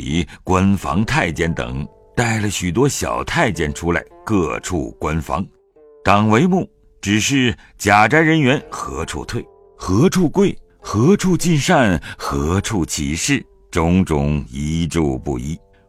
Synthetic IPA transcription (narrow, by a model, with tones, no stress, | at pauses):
ḭ˧˥kwa˥nfɑ̰˧˥ŋt̪ʰa˥˩ɪt͡ɕjɛ˥nt̪ɤ̰˨˩ŋ | t̪a˥˩ɪlə˩ɕy˨˩t̪̬wɔ˥ɕjɑ̰˨˩ʊt̪ʰa˥˩ɪt͡ɕjɛ˥˩nʈ͡ʂʰu˥la̰˧˥ɪkɤ˥˧ʈ͡ʂʰṵ˥˩kwa˥nfɑ̰˧˥ŋ | t̪ɑ˨˩ŋwe˧˥ɪmu˥˩ | ʈ͡ʂɻ̩˨˩ʂɻ̩˥˩ | t͡ɕja˨˩ʈ͡ʂa˥ɪɻə˧˥nɥɛ˧˥nxɤ̰˧˥ʈ͡ʂʰṵ˥˧t̪ʰwe˥˩ɪ | xɤ˧˥ʈ͡ʂʰu˥˧kwe˥˩ɪ | xɤ˧˥ʈ͡ʂʰu˥˧t͡ɕi˥˧nʂa˥˧nxɤ˧˥ʈ͡ʂʰu˥˩t͡ɕʰi˧˥ʂɻ̩˥˩ | ʈ͡ʂʊ˧˥ŋʈ͡ʂʊ̰˨˩˦ŋi˧˥ʈ͡ʂu˥˧pṵ˥˩i˥